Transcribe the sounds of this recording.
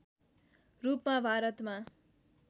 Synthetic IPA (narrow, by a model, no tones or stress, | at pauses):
rupmabʱaɾʌt̪ma